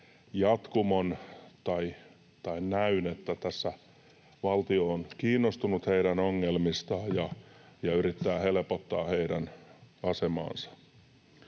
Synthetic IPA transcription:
jɑt̪kumont̪ɑi | t̪ɑinnæynet̪ːæt̪æsːæ | ʋɑlt̪ioːnkiːnːost̪unut̪heiɾænoŋːelmist̪ɑːjɑjɑyɾit̪ːæːhelpot̪ːɑːheidænɑsemɑ̰ːnsɑ̥

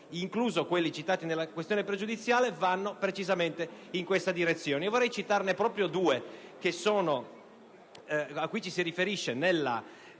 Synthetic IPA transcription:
iŋkluːzokwelːit͡ʃit̪aːt̪inelːakwest̪joːnepɾed͡ʒud̪it̪sːjaːlevanːopɾet͡ʃizament̪eiŋkwest̪ad̪iɾet̪sːjoːnevorːɛjt͡ʃit̪arnepɾɔːpɾjod̪uːekesoːno | akːwit͡ʃisirifeɾiʃːenelːa̰

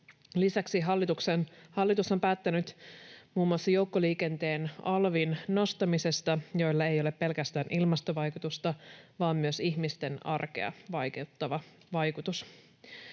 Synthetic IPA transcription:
lisæksiɦɑlːit̪uksenhɑlːit̪uso̞mpæːt̪ːænyt̪muːmuɑsːɑjo̞uwkːoliːke̞nt̪e̞ːnɑlʋinno̞st̪ɑmise̞st̪ɑjojlːɑe̞jo̞lepːe̞lkæst̪æːnilmɑst̪oʋɑjkut̪ust̪ɑʋɑːmːyøsiçmist̪e̞nɑ̰rke̞̰ɑ̰ʋɑjket̪ːɑʋɑ | ʋɑjkut̪us

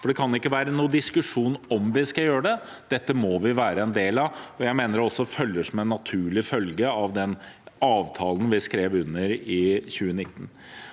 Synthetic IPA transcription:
fɔɖɛkʰɑnjʊɪkːəʋæːɾənuːəd̪ɪskʉʂuːnɔmʋɪskɑjøːɾəɖɛ | d̪̥ɛt̪ːəmɔʋɪʋæːɾəɛnd̪eːlɑʋɔjæɪmeːnəɾɔsːɔfœlːəʂɔmɛnːɑt̪ʰʉːɭɪfœlɡəɑʋd̪ɛnɑːʋt̪ʰɑːlnʋɪskɾeːʋʉnːəɾɪçʉːənɪt̪ːn

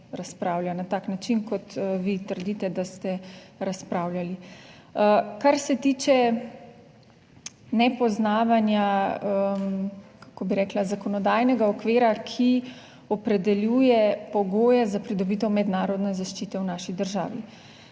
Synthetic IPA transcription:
ɾaspɾaːwljanat̪aːknat͡ʃinkɔt̪ʋit̪əɾd̪it̪ɛd̪ast̪ɛɾaspɾaːwljali | əkaɾsɛt̪iːt͡ʃɛ | nɛpɔznaːʋanja | kakobiɾɛklazakɔnɔd̪ajnɛɡaɔkʋeːɾakʰi | ɔpɾɛd̪ɛljuːjɛpɔɡoːjɛzapɾid̪ɔbit̪ɛwmɛd̪naːɾɔd̪nɛzaʃt͡ʃiːt̪ɛwnaːʃid̪əɾʒa̰ːʋḭ

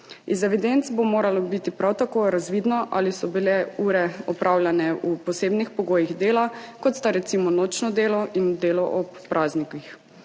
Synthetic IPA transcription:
izɛʋid̪ent̪sbomoːɾalɔbit̪ipɾawt̪akoːɾazʋiːd̪nɔʔa̰lisɔbilɛuːɾɛɔpɾʔawlʲjanɛupɔseːbnixpɔɡoːjiɣd̪eːlakɔt̪st̪aɾɛt̪simɔnoːt͡ʃnɔd̪eːlɔʔind̪eːlɔʔɔppːɾʔaːznikix

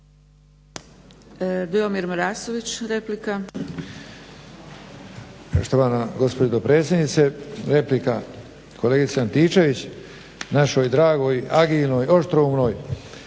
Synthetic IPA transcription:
d̪iomiɾmɾaːsoʋit͡ɕɾeplika | poʃt̪oʋanaɡo̞spod͡ʑed̪opɾe̞ːt̪sʲjed̪nit̪seɾe̞plika | kʰoleɡit̪seant̪iːt͡ʃe̞ʋit͡ɕ | naʃojd̪ɾaːɡo̞ːjaɡiːlnoːjo̞ʃt̪ɾomno̞ːj

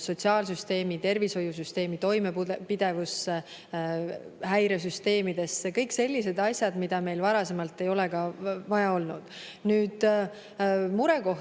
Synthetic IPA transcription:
so̞t̪ʲsiɑːlsyst̪e̞ːmit̪e̞rviso̞jus̬yst̪e̞ːmit̪o̞jme̞pid̪̥e̞vus | hæjɾe̞s̬yst̪e̞ːmid̪̥e̞skɤjkse̞lʲːise̞d̪ɑsʲjɑd̪̥mid̪̥ɑme̞jlvɑɾɑse̞mɑlt̪ːˑe̞jo̞le̞kɑvɑjɑo̞lnṵd̪̥ | nyːd̪̥ | muɾe̞ko̞h

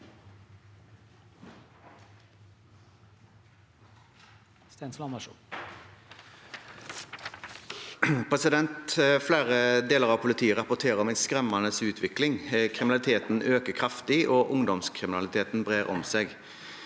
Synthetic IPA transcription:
st̪enslɑmɑʃ | pʰʁɛsɪd̪ɛnt̪flæːʁəd̪eːləʁɑːʋpʰʊlɪt̪ʰiːəʁɑpʊt̪ʰeːʁəɔmɛnskʁɛmɑnəsʉːt̪ʰʋɪklɪŋkʰʁɪmɪnɑlɪt̪ʰeːt̪n̩ʔøːkəkʰʁɑft̪ɪʔoːʔʊŋd̪ɔmskʰʁɪmɪnɑlɪt̪ʰeːt̪n̩bʁeːʁɔ̰mseːɡ

